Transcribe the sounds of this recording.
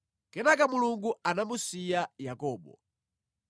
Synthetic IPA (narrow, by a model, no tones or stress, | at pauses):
kɛnakamuluŋɡuanamusijajakɔːɓɔ̰